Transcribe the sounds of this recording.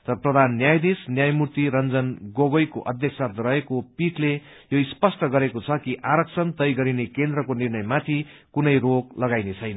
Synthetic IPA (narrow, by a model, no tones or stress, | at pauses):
t̪ʌɾʌprʌd̪ʱanːjajd̪esnjajmurt̪iɾʌnd͡zʌnɡoɡojkoʔʌd̪ʱjʌksat̪rʌekopiʈle | joispʌsʈʌɡʌɾekot͡sʰʌkiʔaɾʌksʰʌnt̪ʌjɡʌɾinekend̪rʌkonirnʌjmat̪ʰikunʌjroɡlʌɡajnet͡sʰʌjnʌ